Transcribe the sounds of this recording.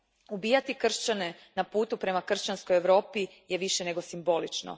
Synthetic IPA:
ubiːjat̪ikr̩ʃt͡ɕane̞ | napuːt̪upɾe̞makr̩ʃt͡ɕansko̞jeʋɾo̞ːpi | jeʋiʃene̞ɡo̞simbo̞lit͡ʃno̰

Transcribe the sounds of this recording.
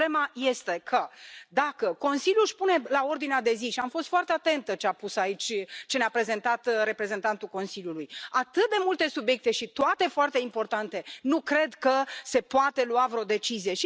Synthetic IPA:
emaje̞st̪e̞kʰəd̪akəko̞nsiljuʃpune̞lao̞rd̪inead̪e̞ziʃiamfo̞st̪foart̪eat̪e̞nt̪ət͡ʃeapusait͡ʃʲt͡ʃe̞neapɾe̞ze̞nt̪at̪ɾe̞pɾe̞ze̞nt̪ant̪ulko̞nsilʲjulujat̪ɨt̪̚d̪e̞mult̪e̞subje̞k̚t̪e̞ʃit̪oat̪e̞foart̪e̞impo̞rt̪ant̪e̞nukɾe̞d̪kəse̞poat̪e̞luavɾod̪e̞t͡ʃizije̞ʃi

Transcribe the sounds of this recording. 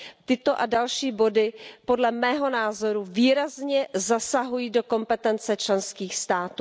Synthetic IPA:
t̪ɪt̪o̞ʔadalʃiːbo̞dɪpo̞dlɛmɛːɦo̞naːzo̞ɾuviːɾazɲɛzasaɦujiːdo̞ko̞mpɛt̪ɛnt͡sɛt͡ʃlɛnskiːxst̪aːt̪uː

